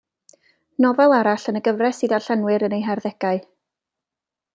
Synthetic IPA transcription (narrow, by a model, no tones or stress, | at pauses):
nɔvɛlˠaɾaɬənəɡəvrɛsiðaɬanwɪɾənejɦarðɛɡ̥aɨ